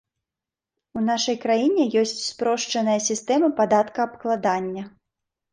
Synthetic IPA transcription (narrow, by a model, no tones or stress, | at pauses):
unaʂɐjkɾajinʲɛjɔsʲt͡sʲspɾɔʂt͡ʂɐnɐjɐsʲist̪ɛmɐpad̪at̪kɐːpklˠad̪anʲːɐ